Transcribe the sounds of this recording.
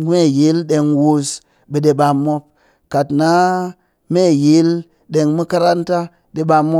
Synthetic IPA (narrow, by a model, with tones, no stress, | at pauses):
me˦˨ji˨˦lɗe˧ŋwu˧s | ɓe˨ɗe˨ɓa˧mːo˦p̚ | ka˨tna˦ | me˦˨ji˨˦l | ɗe˧ŋmu˦ka˦ɾa˦nta˦ | ɗe˨ɓa˧mːo˦